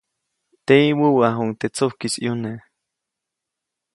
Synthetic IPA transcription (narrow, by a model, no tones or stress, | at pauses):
t̪eiwuwaɦoŋt̪et͡sohkisijone